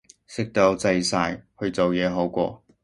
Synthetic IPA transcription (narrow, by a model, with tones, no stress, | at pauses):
sɪ˥k̚t̪o˨˧˥wt͡sɐ˧jsaː˧jhɵ˧ɥt͡so˨wjɛː˨˧ɦo˨˥wkʷɔ̰ː˧